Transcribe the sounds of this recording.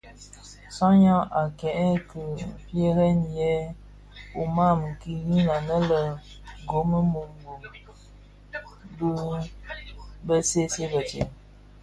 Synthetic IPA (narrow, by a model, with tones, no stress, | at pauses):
sã˦ɲã˦ʔa˨kɛ˨ʔkə˨pje˦ɾɛ˦n˨jɛ˦ | u˨ma˦˨mɨ˨ki˦ji˦la˨nə˦lə˨ | ɡo˨˦mə˦mu˨ŋɡu˨ | bə˦ | bə˦se˦se˦bə˨tɛ˨